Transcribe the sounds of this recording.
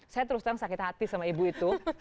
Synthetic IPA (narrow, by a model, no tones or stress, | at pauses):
sajat̪̬əɾust̪aŋsakit̪hat̪isamaibuit̪u